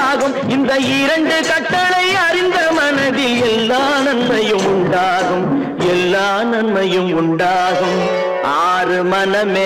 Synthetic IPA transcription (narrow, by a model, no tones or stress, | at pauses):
ɣɯm | ɪnd̪ɐɪɾɐɳɖɯkɐʈːɐɭɐɪɐɾɪnd̪ɐmɐnɐðɪlɛlːaːnɐnmɐjɯmʊɳɖaːɣɯm | ɛlːaːnɐnmɐjɯmʊɳɖaːɣɯm | ʔaːrɯmɐnɐme